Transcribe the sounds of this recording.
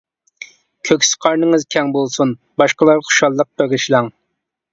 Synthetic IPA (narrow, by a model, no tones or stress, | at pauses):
kʲʰøkʲsə̥qʰɑɾnɨŋɨzkʲʰɛŋbolˠsun | bɑʃqəlˠɑɾχu̥ʃɑlˠːəq̚bøɡɪʃlˠɑŋ